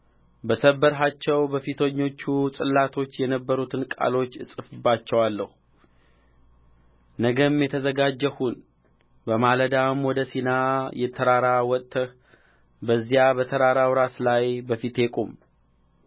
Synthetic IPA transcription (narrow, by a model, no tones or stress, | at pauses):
bəsəbːəɾɦat͡ʃːɛwbəfit̪ʰəɲːo̞t͡ʃːusʼɨlːat̪ʰo̞t͡ʃːjɛnəbːəɾut̪ʰɨnkʼa̰lo̞t͡ʃːɨsʼɨfɨbːat͡ʃːɛwalːəhu | nəɡəmjɛt̪ʰəzəɡad͡ʒːəhun | bəmaləd̪amwɔd̪əsinajɛt̪ʰːəɾaɾawɔt̪ʼːəh | bəzːijabət̪ʰəɾaɾawɾaslajbəfit̪ekʼum